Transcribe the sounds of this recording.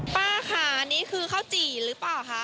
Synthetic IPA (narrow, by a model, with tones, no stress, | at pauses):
paː˥˩kʰa˧˩ʔa˧niː˦˥kʰɯː˧kʰaː˥˩wt͡ɕiː˨˩ɾɯː˨˦˥paː˨˩wkʰa˦˥˩ʔ